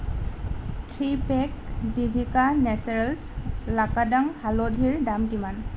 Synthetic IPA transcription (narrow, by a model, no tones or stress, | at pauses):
tʰɹipɛk̚zibʱikanɛsɹɛlslakadaŋhalɔdʱiɹdamkiman